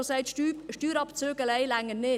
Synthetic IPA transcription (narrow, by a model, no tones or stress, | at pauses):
osɛɪt̪ʃtyːɾɑpt͡søːɡəlɛɪlæŋənnɪ